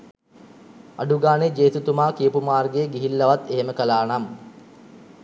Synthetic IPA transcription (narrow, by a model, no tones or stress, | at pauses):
aɖuɡaːned͡ʒeːt̪ut̪umaːkiəpumaːrɡejɡiɦilːəʋat̪eɦeməkəlaːnam